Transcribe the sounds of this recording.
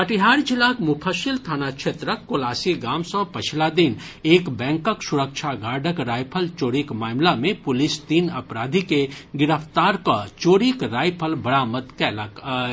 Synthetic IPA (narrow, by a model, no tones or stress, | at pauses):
pəʈiɦaːɾd͡ʒɪlaːkmupʰaʃɪlt̪ʰaːnakʃʰeːt̪ɾəkːoːlaːsiɡaːmsə̃pɐt͡ʃʰlad̪ɪn | eːkbɛ̃ːŋkəksʊɾəkʃʰaɡaːɖʱəkɾaːjpʰəlt͡ʃoːɾikmaːmlamẽpʊlɪst̪iːnɐpɾaːd̪ʱikeɡɪɾəpʰt̪aːɾkat͡ʃoːɾikɾaːjpʰəlbɐɽaːmət̪kɛːləkː